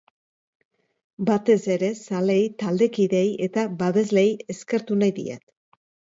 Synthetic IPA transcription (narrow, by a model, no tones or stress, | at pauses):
bat̪e̞se̞ɾe̞sale̞jt̪ald̪e̞kiðe̞je̞t̪aβaβe̞zle̞je̞ske̞ɾt̪unajðḭa̰t̪